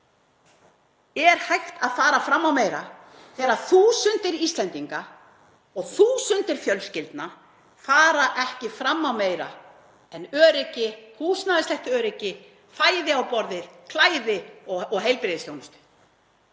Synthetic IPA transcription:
ɛɾ̥hajht̪aðfaːɾafɾamːawmeːjɾa | θɛːɾaðθuːsʏnt̪ɪɾist̪lɛnt̪iŋka | ɔɣθuːsʏnt̪ɪɾ̥fjœlscɪlt̪na | faːɾaʔɛhcɪfɾamːawmeːjɾa̰ | ɛnœːɾɪcɪhuːsnaðɪslɛht̪œːɾɪcɪ | faːjðɪawpɔɾðɪð̥kʰlaːjðɪɔɔɦejlpɾɪðɪst̪jownʏst̪ʏ̥

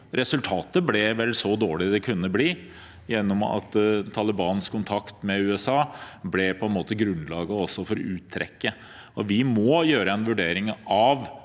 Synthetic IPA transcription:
ɾʔɛsʉlt̪ʰɑːt̪əblɛʋɛlːsɔd̪oːɭɪd̪ɛkʰʉnːəbliː | jɛnːɔmɑ̰t̪t̪ʰːɑləbɑːnskʰʊnt̪ʰɑkt̪mɛʉːɛsɑːblɛpʰɔɛnmoːt̪əɡɾʉnlɑːɡəɔsːɔfɔɾʉːt̪ʰːɾɛ̰kːə | ɔʋɪmɔjøːɾəɛnʋʉɖeːɾɪŋɑʋ

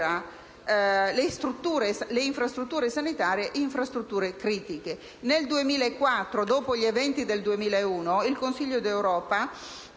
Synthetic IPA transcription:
a | lest̪ɾut̪ːuːɾesleiɱfɾast̪ɾut̪ːuːɾesanit̪aːɾjeʔiɱfɾast̪ɾut̪ːuːɾekɾiːt̪ike | neld̪uemiːlaekːwat̪ːɾod̪oːpoʎievɛnt̪id̪eld̪uemiːlaeuːnoilkonsiʎːod̪ewɾɔːpa

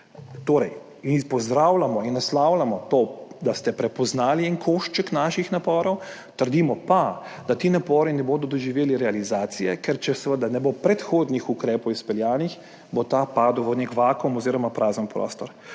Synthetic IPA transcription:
t̪oːɾɛj | inpɔzd̪ɾaːwlamɔinːaslaːwlamɔt̪od̪ast̪ɛpɾɛpɔznaːliːŋkʰoʃt͡ʃəknaːʃixnapɔːɾɔwt̪əɾd̪iːmɔpad̪̥at̪iːnapɔːɾinɛboːd̪ɔd̪ɔʒiʋeːliɾɛalizaːt̪sijɛkɛɾt͡ʃɛsʋəd̪anɛbopɾɛt̪xoːd̪nixukɾɛːpɔwispɛljaːnix | bot̪apaːd̪uwʋənekʋaːkɔmɔziːɾɔmapɾaːzənpɾɔ̰ːst̪ɔɾ

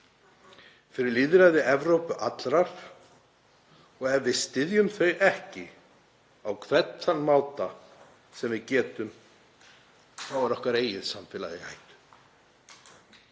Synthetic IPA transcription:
fɪɾɪɾliːðɾaðɪʔɛvɾowpʏʔat̪lɾaɾ̥ | ɔɣɛvːɪðst̪ɪðjʏmθœɥjʔɛhcɪ | awkʰvɛt̪nanːmaːwt̪a | sɛmvɪðcɛːt̪ʏm | θawvaɾɔhkaɾeːjɪðsamfɪːla̰ðɪha̰jt̪ʏ̥

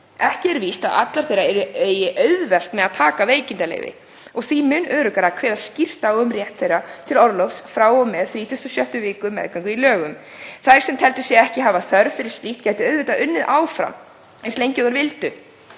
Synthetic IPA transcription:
ɛhcɪɛɾvist̪a̰ða̰t̪laɾθejɾaɛɾʏeːɥjɪʔœɥðvɛl̥t̪mɛðaðt̪ʰaːkaveːjcɪnt̪alḛjvɪ̰ | ɔɣθimʏnːœːɾʏkaɾakʰvɛːðaðscɪr̥t̪aʏmrjɛht̪θejrat̪ʰɪlɔɾlɔfsfɾaːwɔmɛðθɾiːt̪ʰʏst̪ɔsjœht̪ʏvɪːkʏmɛ̰ðkʰvɛŋkʏilœːɣʏm | θajɾ̥sɛmt̪ʰɛlt̪ʏ̥sjɛɛhcɪɦaːvaθœɾðfɪɾɪ̥st̪iht̪̚caːjt̪ɪœːɥðvɛt̪aʔʏnːɪðʔaːwfɾa̰m | ɛnslejɲcʏðaɾvɪlt̪ʏ

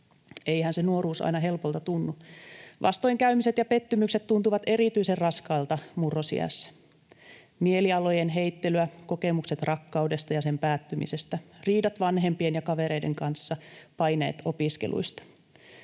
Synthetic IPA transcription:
eijhænsenuoɾuːsɑ̰jnɑɦe̞lpolt̪ɑt̪unːuʋʔɑ̰st̪o̞iŋkæymiset̪jɑpet̪ːymykset̪t̪unt̪uʋɑt̪e̞ɾit̪yiserrɑskɑːlt̪ɑmurːosḭæ̰sːæ̥ | mieliɑlo̞jenɦejt̪ːelyækokemukset̪rɑkːɑudest̪ɑjɑsempæːt̪ːymḭsest̪æriːdɑt̪ʋɑnɦempienjɑkɑʋeɾeideŋkɑnsːɑpɑjneːt̪opiskḛlṵist̪ɑ̥

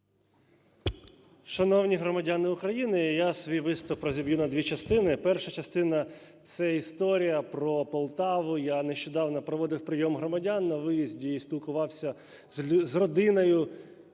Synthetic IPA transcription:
ʃɐnɔwnʲiɦɾɔmɐdʲanɪʊkɾɐjinɪjasʋʲijʋɪst̪ʊpːɾɔzʲibʲjunɐd̪ʲʋʲit͡ʃɐst̪ɪnɪpɛrʃɐt͡ʃɐst̪ɪnɐ | t̪sɛist̪ɔɾʲijɐpɾɔpɔlˠt̪ɑʋʊjaneʃt͡ʃɔd̪ɑwnɔpɾɔʋɔd̪ɪwpɾɪjɔmɦrɔmɐdʲanːɐʋɪjizʲdʲiisʲpʲilˠkʊʋɑwsʲɐ | zʲzrɔd̪ɪnɔjʊ

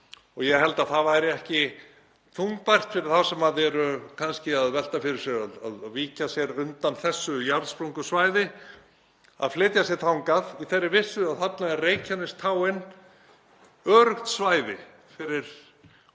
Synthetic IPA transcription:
ɔɣjɛɦɛlt̪aðθavaɾɪɛhcɪ | t̪ʰuŋpajr̥t̪fɪɾɪɾ̥θasɛmaðɛɾʏkʰanscɪaðvɛl̥t̪afɪɾɪɾ̥sjɛɾaðaðviːcasjɛɾʏnt̪anθɛsːʏjaɾðspɾoŋkʏsvaːjðɪ | a̰ðflɪːt̪jasjɛɾt̪ʰawŋkaðiθɛrːɪvɪsʏaðhap̪naðɪreːjcʰanːɪst̪ʰaːwɪn | œːɾʏxt̪svaːjðɪ̰ | fɪɾɪɾ̥

